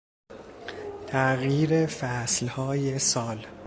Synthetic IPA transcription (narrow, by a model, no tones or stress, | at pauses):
t̪ʰæɣjiːɾefæslhɒːjesɒːl